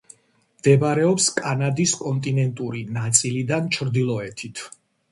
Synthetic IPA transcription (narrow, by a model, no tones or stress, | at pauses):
md̪̥ɛbaɾɛɔpskʼanad̪iskʼɔnt̪ʼinɛnt̪ʼuɾinat̪sʼilid̪ant͡ʃʰɾd̪ilˠɔɛt̪ʰit̪ʰ